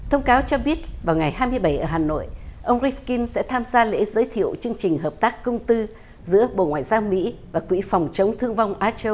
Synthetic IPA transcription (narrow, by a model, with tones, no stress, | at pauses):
t̪ʰə˧wŋ͡mkaː˨˦wt͡ɕɔ˧ɓi˦˥ət̚vaː˨˩wŋa˨˩jɦaː˧jmɨ˧əjɓə˧˩jʔəː˧˩ɦaː˨˩no̰˧˨jʔə˧wŋ͡mzi˦˥fki˧nsɛ̰˧˥t̪ʰaː˧mzaː˧lḛ˧˥zəː˨˦jt̪ʰḭ˧˨əwt͡ɕɨ˧əŋt͡ɕï˨˩ŋ̟ɦəː˨˩p̚t̪aː˦˥kːə˧wŋ͡mt̪ɨ˧ | zɨ̰˧˥əɓo̰˧˨ŋwaː˨jzaː˧wmḭ˧˥vaː˨˩kwḭ˧˥fɔ˨˩wŋ͡mt͡ɕə˨˦wŋ͡mt̪ʰɨ˧əŋvwŋ͡mʔaː˧t͡ɕə˧w